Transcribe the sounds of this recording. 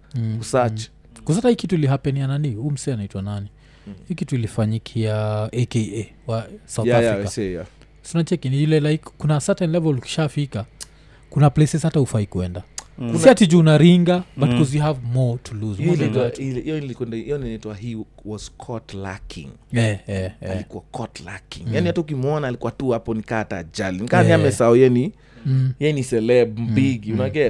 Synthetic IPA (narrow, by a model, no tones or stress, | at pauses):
kusat͡ʃḁ | kus̬atahikituiliɦapɛniananihum̩sɛanaitwanani | hikituilifaɲikʰiaʔekee | wasaujajfɾikasja | sunat͡ʃɛkiniilɛlaikkunasatɛ̃nlɛvɔluki̥ʃafika | kunaplesɛzhatahufaikuɛ̰ndakatid͡ʒunaɾiŋɡabatkɔzjiɦavmɔtʰuluznaitwatilijɔnilikwɛndaijɔninaitwahiwɔz̥kʰɔtla̰kʰḭ̃ŋɛɛalikuakʰɔtla̰kḭŋjaniwatuukimwɔnaːlikuwatuhapɔnikaːta̰d͡ʒalinikaniamɛsaɔɛɛni | jɛnisɛlɛbm̩biɡiunaɡɛt